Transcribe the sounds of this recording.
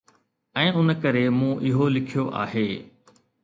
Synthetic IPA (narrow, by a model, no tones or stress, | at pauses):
ɛ̃ːʊnkəɾemũːʔɪɦolɪkʰijoʔa̰ːɦeː